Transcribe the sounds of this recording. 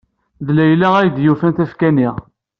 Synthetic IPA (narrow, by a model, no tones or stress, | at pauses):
ðlæjlæʁæjd̪jufænt̪æfkæniʁ